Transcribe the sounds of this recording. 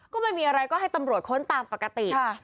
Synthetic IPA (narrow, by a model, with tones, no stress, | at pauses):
kɔː˥˩ma˧˥˩jmiː˧ʔa˧ɾa˧jkɔː˥˩ɦa˥˩jt̪a˧mɾu˨˩ət̪̚kʰo˦˥˩nt̪aː˧mpa˨˩ka˧t̪i˨˩˥